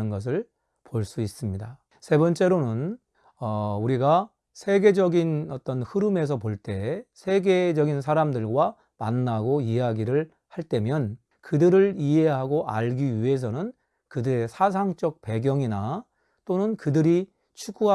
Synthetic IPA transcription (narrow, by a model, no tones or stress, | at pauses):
ɯnɡʌs̬ʰɯɭ | poɭs͈uis͈ɯmɲida | sʰe̞bʌnt͡ɕ͈e̞ɾonɯn | ʌuɾiɡa | sʰe̞ɡe̞d͡ʑʌɡinʌt͈ʌnhɯɾɯme̞s̬ʰʌpoɭt͈e̞sʰe̞ɡe̞d͡ʑʌɡins̬ʰaɾamdɯɭɡwa | ma̰nːaɡoiaɡiɾɯɭ | haɭt͈e̞mjʌn | kɯdɯɾɯɭiɦe̞ɦaɡoʔa̰ɭɡiɥie̞s̬ʰʌnɯn | kɯdɯɾe̞sʰas̬ʰaŋt͡ɕ͈ʌk̚pe̞ɡjʌŋina | t͈onɯnkɯdɯɾi | t͡ɕʰuɡuɦa